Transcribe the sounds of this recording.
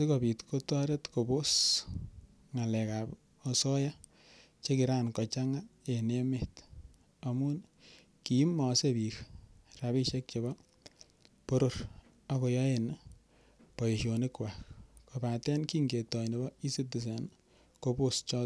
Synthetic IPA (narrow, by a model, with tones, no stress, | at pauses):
si˦ko˨pi˨tko˦tɔ˦ɾe˦tko˨bo˦s | ŋa˨lɛ˨ka˨p | ɔ˨sɔ˦ja˦ | t͡ʃe˦ki˨ɾaː˦nkɔ˨t͡ʃa˦ŋae˨ne˦met | a˨mu˦n | ki˨˦mːɔ˨se˦bi˨ɾra˨βi˦ʃe˦k̚t͡ʃe˨βɔ˦ | po˦ɾo˨r | a˦ko˧jɔ˦e˨n | pɔ˨je˨ʃo˨nikwa˨kkopa˨tɛ˦nki˦ŋɡe˨tɔ˨jnebɔ˦i˦si˦tu˨s̬e˨n | ko˦po˦st͡ʃɔ˦t